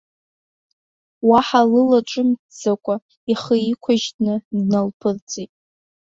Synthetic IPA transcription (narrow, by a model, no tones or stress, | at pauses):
waħalɨlaʈ͡ʂʷʼɨmd͡zakʷʼa | iχəikʷʰaʒtnɨdnalpʰɨrt͡sʼitʼ